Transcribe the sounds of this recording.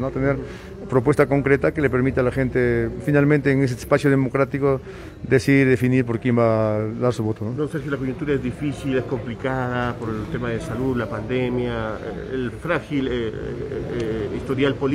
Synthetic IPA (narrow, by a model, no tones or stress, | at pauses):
not̪eneɾ | pɾop̬we̞st̪ako̞ŋkɾet̪akelepeɾmit̪ealaxe̞nt̪efinalmẽnt̪eːŋes̬espasjoð̞emo̞kɾat̪iko | d̪esiɾðefiniɾp̬o̞ɾkjembaðaɾsuβo̞t̪ononoseɾxjolakojunt̪uɾaezðifisilesko̞mplikaðapoɾelt̪emaðesaluðlapand̪emja̰ | elfɾaxile | ist̪oɾjalpol